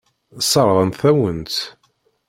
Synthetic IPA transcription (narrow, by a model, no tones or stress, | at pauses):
sˤɑɾˤɾˤənθæwənt̪